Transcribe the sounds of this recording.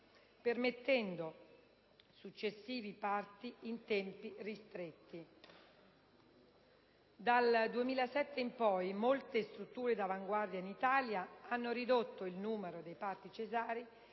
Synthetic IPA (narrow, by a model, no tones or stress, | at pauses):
permet̪ːɛnd̪o | sut͡ʃːesːiːvipart̪iint̪ɛmpirist̪ɾet̪ːi | d̪ald̪uemiːlasɛt̪ːeimpɔjmolt̪est̪ɾut̪ːuːɾed̪avaŋɡward̪jainit̪aːljaanːoɾid̪ot̪ːoilnuːmeɾod̪ejpart̪it͡ʃezaːɾi